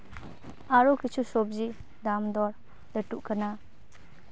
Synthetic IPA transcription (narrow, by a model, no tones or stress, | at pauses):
aɾɔkit͡ʃusɔb̚zi | damdɔɾ | dətuʔkʰəna